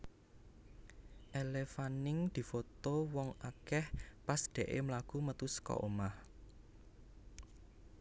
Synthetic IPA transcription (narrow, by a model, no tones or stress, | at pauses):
ʔelefanɪŋd̪̥i̤fot̪owɔŋakɛhpasd̪̥eɛ̤ʔemlaɡ̥umət̪uskɔ̰ʔomah